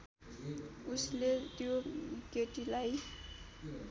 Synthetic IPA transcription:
uslet̪joɡeʈilaj

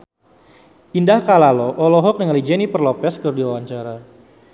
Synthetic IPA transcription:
indahkalalɔʔɔlɔɦɔk̚nəŋalid͡ʒɛnipərlɔpɛskɨrdiwawaɲt͡ʃaɾa

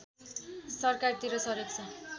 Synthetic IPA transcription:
sʌrkard̪iɾʌsʌɾek̚t͡sʰʌ

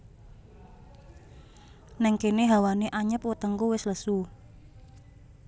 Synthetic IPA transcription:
nɛŋkeneɦawaneʔaɲəp̚wət̪əŋkuwɪsləsu

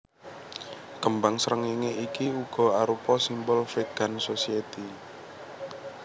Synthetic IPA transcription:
kəmbaŋsəɾəŋiŋeikiuɡ̥ɔ̤aɾupɔsimbɔlfiɡ̥a̤nsosiet̪i

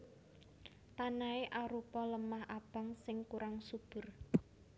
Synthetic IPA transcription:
t̪anaeʔaɾupɔləmahab̥a̤ŋsɪŋkuɾaŋsub̥ʊ̤r

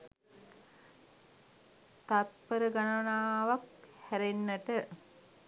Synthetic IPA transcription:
t̪at̪̚pəɾəɡanəʋnaːʋak̚hæɾenːəʈə

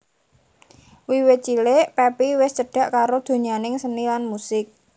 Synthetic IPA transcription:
wiwɪt͡ʃileʔpɛpiwɪst͡ʃəɖ̥a̤ʔkaɾod̪̥o̤ɲanɪŋsənilanmusɪk̚

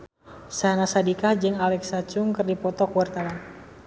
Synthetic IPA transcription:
sanasadikahd͡ʒɨŋalɛksat͡ʃʊŋkɨrdipɔt̪ɔkuwart̪awan

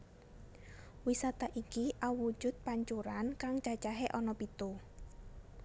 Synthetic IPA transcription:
wisat̪aʔikiʔawu̥d͡ʒ̥ʊt̪̚paɲt͡ʃuɾankaŋt͡ʃat͡ʃaɦeʔɔnɔpit̪u

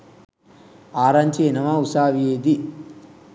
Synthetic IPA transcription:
aːɾaɲt͡ʃeːnɐmausaːʋieːd̪i

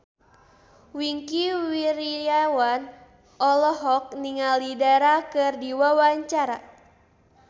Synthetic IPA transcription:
wiŋkiwiɾijawan | ʔɔlɔɦɔk̚niŋalidaɾakɨrdiwawaɲt͡ʃaɾa

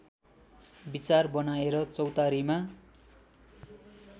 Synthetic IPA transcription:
bit͡sarbʌnaeɾʌt͡sʌwt̪aɾima

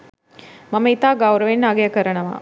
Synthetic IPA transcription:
mɐmɐit̪aːɡɐwɾɐʋenːaːɡɐjɐkɐɾɐɳɐʋa̰ː

